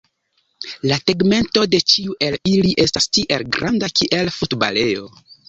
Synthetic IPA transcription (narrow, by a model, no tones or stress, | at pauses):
lateɡme̞nto̞de̞t͡ʃiuʔe̞liliʔe̞stastiʔe̞lɡɾʔandakiʔe̞lfutba̰le̞jo̞̰